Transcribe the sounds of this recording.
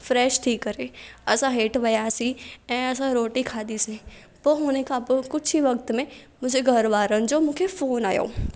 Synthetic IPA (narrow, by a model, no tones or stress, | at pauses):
fɾɛːʃʈʰiːkːɐɾeɐsãɦeːʈʋɐjasiɛ̃ːɐs̬ãɾoːʈikʰaːd̪isi | poːɦʊːnekapkʊt͡ʃʰiʋɐk̚t̪mẽ | mʊ̃d͡ʒʱeɡʱɐɾʋaːɾənd͡ʑomʊ̃ːkʰefoːnaːjo̰ː